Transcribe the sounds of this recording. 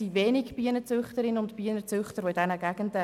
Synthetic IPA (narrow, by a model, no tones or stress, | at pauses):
iveːnɪkb̥iənət͡sʏχtəɾɪnʊntpiənət͡sʏχtəɾvoɪdɛnəɡæɡ̥əndə